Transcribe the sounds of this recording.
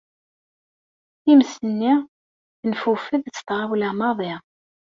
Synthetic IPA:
iməsənːi | nfufəðt͡sːt̪ʁawlæmɑðˤi

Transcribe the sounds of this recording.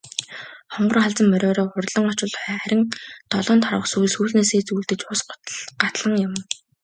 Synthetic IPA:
χɔɴɢɞ̆rχaɮt͡sə̆mːœɾʲɔːɾɔːʊrɮə̆ŋɔt͡ɕɪ̆ɮχːχæɾʲɪ̆ŋt̪ʰɔɮɔːnt̪ʰaɾə̆ksuːjsxuːɮneːseːt͡suːɮt̪ɘ̆t͡ɕʊːsɢʊ̥t̪ɮɢat̪ɮə̆ŋjʊ̆m

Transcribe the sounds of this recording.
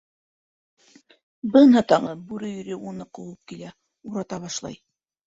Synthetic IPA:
bɤnɦɑt̪ɑʁɤbʉɾɘjɵ̆ɾɘunɤqowɤp̚kilæ | uɾɑt̪ɑβɑʃlˠɑ̰j

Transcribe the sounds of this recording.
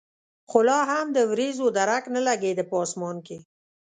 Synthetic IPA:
qʊlɑɦamd̪əwɾezod̪aɾaknəlaɡed̪əpɑsmɑnke

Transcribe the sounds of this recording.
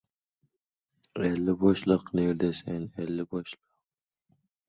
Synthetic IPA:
ɛlːɪbɔʃlˠɨqneɾd̪ɛsɛnɛlːɪbɔʃlˠɨq̚

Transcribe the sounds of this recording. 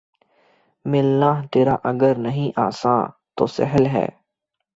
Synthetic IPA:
mɪlːaːɦt̪eːɾaːʔɐɡəɾnɐɦĩʔa̰ːsã̰ːt̪o̰ːsɛ̰ɦəlɦɛ̰ː

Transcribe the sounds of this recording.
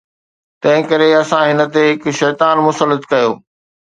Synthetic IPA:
t̪ɐ̃ɦɪ̃kɐɾeɐsãɦɪnə̆t̪eɦɪkʃɛːt̪aːnmʊsəlːət̪kɐjoː

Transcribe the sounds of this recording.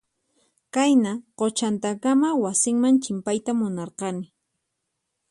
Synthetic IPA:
kajnaqot͡ʃant̪akamawasɪŋmaŋt͡ʃɪmpajt̪amʊnɑɾqɑnɪ

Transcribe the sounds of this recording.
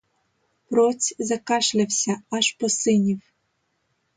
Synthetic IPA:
pɾɔt͡sʲzɐkɑʃlʲawsʲaɑʃpɔsɪnʲiw

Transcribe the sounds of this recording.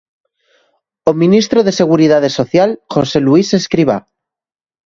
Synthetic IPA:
omĩnist̪ɾoðe̞se̞ɣ̞uɾiðað̞esoθjalxoseluiseskɾiβ̞a̰

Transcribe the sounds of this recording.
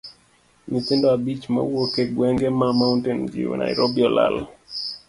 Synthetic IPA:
nit̪endɔabit͡ʃma̰wokeɡwɛŋɡemamauntend͡ʒḭwḛna̰ɪɾobiɔla̰l

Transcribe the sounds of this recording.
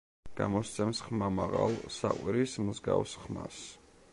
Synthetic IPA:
ɡ̥amɔst̪sʰɛmsχmamaʁalˠsaqʼwiɾismuzɡavsχmas

